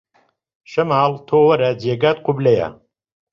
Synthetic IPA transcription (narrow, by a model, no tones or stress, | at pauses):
ʃɐmaːlt̪ʰoːwɐɾɐd͡ʑeːɡaːt̪̚qʊblɐjɐ̰